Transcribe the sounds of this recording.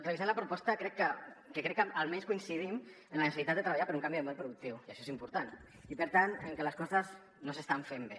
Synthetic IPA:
t̪ɾeβizalapɾupɔst̪akɾɛkːəkekɾɛkːaalmɛnskuinsiðim | ənlanesesit̪ad̪d̪ət̪ɾəβaʎapəɾuŋkambiðemolˠpɾuðuk̚t̪iwiaʃɔesimpuɾt̪an | ipəɾt̪anəŋkeləskɔzəz | nosest̪aɱfembe

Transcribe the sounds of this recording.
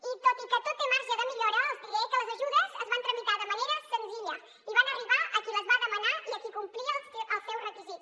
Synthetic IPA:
it̪ot̪ikət̪ut̪emaɾʒəðəmiʎoɾəːlˠzðilekələzəʒuðəzəzβant̪ɾəmit̪aðəməneɾəsənziʎə | iβanəriβaʔəkiləzβaðəmənaiəkikumpliəlˠsʔəlˠst̪ɛwrəkizit̪

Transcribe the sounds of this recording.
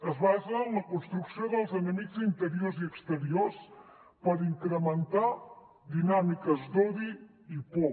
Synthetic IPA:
ɐzβazɐ̃nɐkõnst̪ɾuksɐ̃wd̪ɐlˠzɐnɐnit̪zĩnt̪əɾioɾziəkst̪əɾioɾs | pɐɾĩŋkɾəmẽnt̪aɾ | d̪inamikɐzd̪oði | ipo

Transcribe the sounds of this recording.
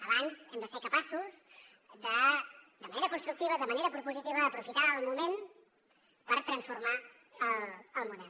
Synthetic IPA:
əβanzɛmd̪əsekəpasuz | d̪əd̪əməneɾəkunst̪ɾukt̪iβ̞əðəməneɾəpɾupuzit̪iβəðəpɾufit̪aːlˠmumen | pəɾt̪ɾənsfurma | ələlˠmuðɛl

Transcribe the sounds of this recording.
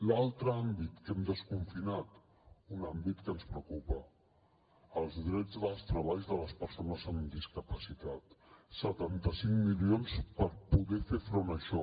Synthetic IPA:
lalˠt̪ɾəambit̪kɛmd̪əskuɱfinat̪ | unambit̪kənspɾəkupə | əlˠzðɾɛd͡zðəlˠst̪ɾəβaʎzðələspəɾsonəzəmd̪iskəpəsit̪at̪sət̪ant̪əsiŋmilionspəɾpuðɛfefɾonəʃɔ

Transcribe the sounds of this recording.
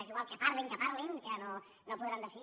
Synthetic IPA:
asiɣwalˠkəpaɾleŋkəpaɾleŋkəno | nopuðɾand̪aʃi

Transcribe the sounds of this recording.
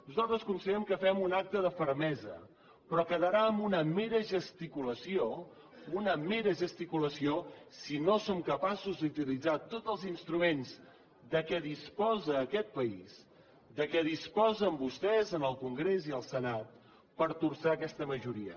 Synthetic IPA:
buzalˠt̪ɾəskunsəʎɛmkəfɛmunak̚t̪əðəfəɾmɛzə̰ | pɾɔkəðəɾaəmbunəmeɾəʒəst̪ikuləsio | unəmeɾəʒəst̪ikuləsiosinosomkəpasuzd̪ut̪ilid͡zat̪ot̪əlˠzinst̪ɾumenz | d̪əkɛðispɔzəːkɛt̪̚pəiz | d̪əkɛðispɔzəmbust̪ɛzənəlˠkuŋɡɾeziəlˠsənat̪̚ | pəɾt̪ursaːkɛst̪əməʒuɾiə̰

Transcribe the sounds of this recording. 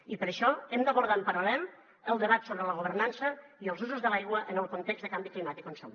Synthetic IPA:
ipəɾəʃɔemd̪əβuɾð̞ampəɾalɛm | əlˠd̪əβat̪soβɾələɣuβ̞əɾnansəiəlˠzuzuzðəlajɣwəʔənəlˠkunt̪ɛɡzðəkambiklimat̪ikonso̰

